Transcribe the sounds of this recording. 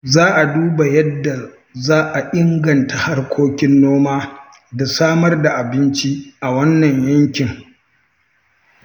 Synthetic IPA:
zaː˦ʔa˨duː˦ba˨jɐ˦dːa˨ | zaː˦ʔa˨ʔɪ˦ŋɡɐ˨ntʰa˨ha˦rkʷʰoː˦kʲɪ˦nːoː˦maː˦ | da˨saː˦mɐ˦rda˨ʔa˨bɪ˦nt͡ʃi˦ʔa˨wɐ˦nːɐ˨ɲjɐ˦ŋkʲɪ˨ŋ

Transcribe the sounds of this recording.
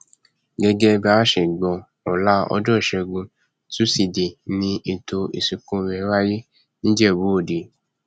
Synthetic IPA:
ɡɛ˦ɡɛ˦ba˦ʃe˨ɡ͡bɔ˨˧ | ɔ˨la˦ɔ̰˧d͡ʒɔ˦˨ʃɛ˧ɡũ˧ | tu˦si˨de˨nĩ˧˦ʔe˧to˧ḭ˨si˨kũ˦wɛ˨˦wa˦je˦ | nĩ˦d͡ʒɛ˦˨bo˦o˨de˨

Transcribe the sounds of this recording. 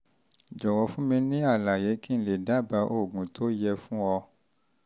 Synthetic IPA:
d͡ʒɔ˨wɔ˨˦fũ˦mĩ˧nĩ˦a˦˨la˨je˨˦kĩ˦le˨da˨˦˨ba˧˦ʔo˦˨ɡũ˨tʰo˦jɛ˧fũ˦ɔ˧

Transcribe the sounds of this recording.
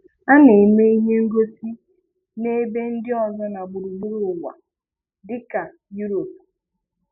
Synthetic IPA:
a˦ne˨me˦i˦ɦe˦ŋ̩˦ɡo˦si˦ | ne˦be˦n̩˦dɪ˦ɔ˨zɔ˦na˨bʊ˨ɾu˨ɡ͡bu˦ɾu˨wʷa̰˨ | dɪ˦ka˨ | ju˦ɾo˨p̚

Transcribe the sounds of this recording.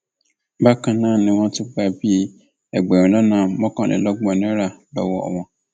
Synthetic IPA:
ba˦kã˨nã˦˨nɪ̃˨wɔ̃˦tʰʊ˦ba˨bi˦˨ | ɛ˨ɡ͡bɛ˨ɾla˦nã˨mɔ̃˦kɔ̃˨lɛ̰˨lɔ˦ɡ͡bɔ˨nɛ̃˦ɾa˨bɛ̰˨wɔ˨ɔ̰˨wɔ̃˨

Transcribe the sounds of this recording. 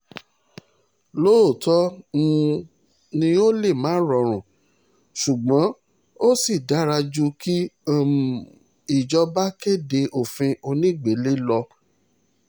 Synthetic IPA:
lo˦o˦˨tɔ˦ŋũ˧ | nĩ˧o˦le˦˨mãː˨˦ɾɔ˨˧ɾ̃ũ˨ | ʃu˨ɡ͡bɔ̃˨˦ | o˦si˦˨da˨˦ɾa˧d͡ʒu˧ki˦˨ | i˨d͡ʒɔ˧ba˦ke˦˨de˧ʔo˦˨fĩ˧ʔo˧nĩ˦˨ɡ͡be˨˦le˦lɔ˧

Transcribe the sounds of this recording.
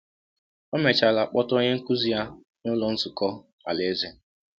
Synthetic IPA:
ɔ˦me˨t͡ʃa˨la˨k͡pɔ˦to˦ɲe˦ŋ̩˦ku˦zi˦ja˦ | ŋʊ˦lɔ˦n̩˦sʊ˨kɔ˦ | a̰˨le˨˦ze˦

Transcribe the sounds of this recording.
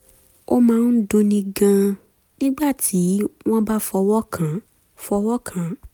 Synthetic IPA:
o˦mãː˦˧˦n̩˦dõ˧nĩ˧ɡã˧ | nĩ˦ɡ͡ba˦˨tʰi˨˦w̃ɔ̃˦ba˦fɔ˧wɔ˦kʰã˨ | fɔ˧wɔ˦kʰã˨˦

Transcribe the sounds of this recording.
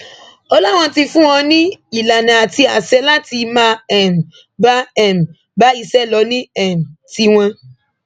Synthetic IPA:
ɔ˧lɔ˦˨w̃ɔ̃˧˦ti˧fũ˦w̃ɔ̃˧nĩ˦i˨la˨nã˨a˨ti˧a˨sɛ˧˦la˦ti˧mãː˦ɛ˨m̩˨ | ba˦ɛ˨m̩˨ | ba˦i˧sɛ˦˨lɔ˨˧˦nĩ˦ɛ˨m̩˨ti˧w̃ɔ̃˧

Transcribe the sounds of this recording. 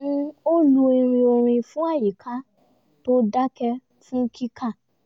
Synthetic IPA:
o˦lu˧˦i˧ɾ̃ĩ˧o˧ɾ̃ĩ˧fũ˦a˦˨ji˨kʰa˦ | to˦da˦kɛ˧ | fũ˦kʰi˦kʰa˦˨

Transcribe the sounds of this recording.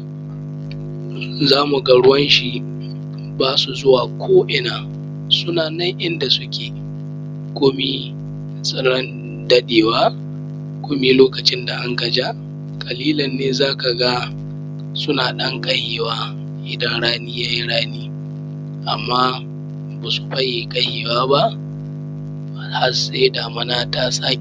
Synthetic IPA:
zaː˦mu˨ɡa˦ɽʊ˦wɐ˦nʃi˨ | baː˦su˨zʊ˦waː˨kʷʰoː˦ʔɪ˦naː˨ | sʊ˦naː˨nɐ˦ŋʔɪ˦nda˨sʊ˦kʲʰeː˨ | kʷoː˦mi˦ | sʼɪ˦ɽɐ˦n | dɐ˦ɗeː˨waː˦ | kʷoː˦mi˦loː˦kɐ˨t͡ʃɪ˦nda˨ʔa˦ŋka˨d͡ʒa˦ | kʼɐ˨liː˦lɐ˨nːeː˦zaː˦ka˨ɡa˦ | sʊ˦naː˨ɗɐ˦ŋkʼɐ˦heː˨waː˦ | ʔɪ˨dɐ˦nɽaː˦niː˦jaː˦ji˦ɽaː˦niː˦ | ʔa˨mːaː˦ | baː˨su˨ɸɐ˦jeː˨kʼɐ˦heː˨waː˦ba˦ʔ | ba˨ha˦se˦daː˨mɐ˦naː˦ta˦saː˦˨

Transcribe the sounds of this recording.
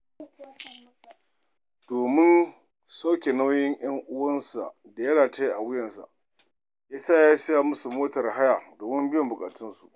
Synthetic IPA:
d̥oː˨mɪ˦n | sa˦wkʲe˨na˦wjɪ˦ɲj̰ɐ˦ŋʔʊ˦wɐ˦nsa̰˨ʔ | da˨jɐ˦ɽaː˨ta˦ji˦ʔa˨wɪ˦jɐ˨nsa̰˨ʔ | jaː˦saː˦jaː˦sɐ˦ja˨mʊ˦su˨moː˦tɐ˨rɦa˦ja˨doː˨mɪ˦mbɪ˦jɔ˨mbʊ˨kʼa̰ː˨tɪ˦nsṵ˨ʔ

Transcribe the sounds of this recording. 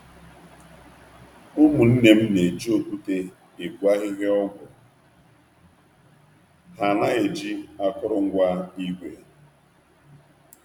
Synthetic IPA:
ʊ˦mu˨n̩˦ne˨m̩˦ne˨d͡ʒi˦o˨ku˦te˦ | e˨ku˨a˦ɣi˦ɦe˦ɔ˦ɡʷʊ˨ | ha˨na˦e˨d͡ʒi˦a˦kʊ˦ɾʊ˦ŋ̩˦ɡʷa˦i˦ɡʷe˨

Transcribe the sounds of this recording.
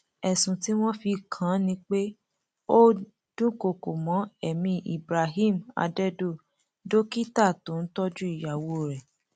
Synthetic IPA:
ɛ˨sũ˨ti˦w̃ɔ̃˦fi˧kʰã˨˦nĩ˧k͡pe˦ | o˦ | d̥ũ˦ko˨ko˨mɔ̃˨˦ɛ˨mĩ˧ʔḭ˨bɾa˨ɦi˦˨ma̰˧dɛ˦do˦˨ | do˦ki˦ta˦˨tõ˨˦n̩˦tɔ˦d͡ʒu˦i˦˨ja˨wo˦˨ɾɛ˨

